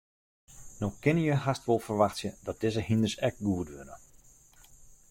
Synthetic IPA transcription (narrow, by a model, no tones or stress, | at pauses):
noxkɪnəjəhastʋolˠfərʋaxtsjədɔt̚d̥ɪzəhindərsɛk̚ɡuədʋønə